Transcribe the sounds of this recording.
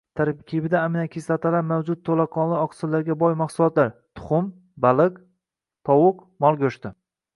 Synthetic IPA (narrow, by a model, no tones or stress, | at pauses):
t̪ʰaɾkʲʰɪbɪd̪aːmɪnakʰʲisat̪ʰalaɾmawd͡ʒʊt̪̚t̪ʰːolaqʰɒnlˠɪɒqʰsɪlːaɾɡʲabɒjmaχsʊlˠɒt̪laɾt̪ʰʊ̥χʊm | balɪq | t̪ʰɒwʊqmɒlˠɡʲɵʃt̪ɪ